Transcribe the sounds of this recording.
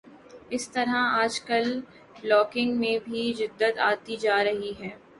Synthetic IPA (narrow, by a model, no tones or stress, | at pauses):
ɪst̪ɐɾɦaaːd͡ʒkəl | blɔːkɪ̃ŋɡmẽbʱid͡ʒɪd̪ːət̪aːt̪id͡ʒaːɾɐɦiɦɛː